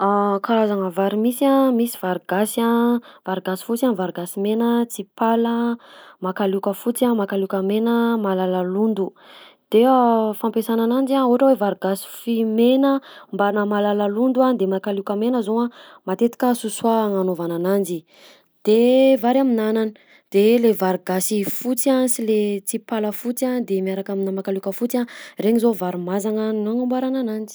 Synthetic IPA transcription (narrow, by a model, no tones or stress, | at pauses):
akʰaɾazaŋəvaɾimisiamisi̥v̥aɾɡasav̥aɾɡasi̥fut͡sanvaɾɡasimenət͡sipaləmakalukəfut͡siamakalukəmenəmalalalund̪u | d̪̥eəfampesananand͡ʒaoɦʈ͡ʂəwevaɾuɡasi̥fimenəmbanəmalalalund̪uand̪emakalukəmenəzoa | mat̪et̪i̥kəsusuaːŋanovananand͡ʒi | d̪̥evaɾaminanani̥ | d̪̥elevaɾuɡasifut͡siasilet͡sipaləfut͡sand̪emiaɾakaminamakalukəfut͡sareɲizovaɾimazaŋanoaŋəmbaɾananand͡ʒi̥